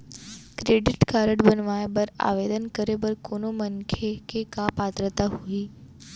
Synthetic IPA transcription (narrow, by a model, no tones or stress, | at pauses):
kɾeɖɪʈkaɾəʈbənʋajbəɾa̰ʋed̪ənkəɾebəɾkonoməŋkʰekekapat̪ɾət̪aɦuiː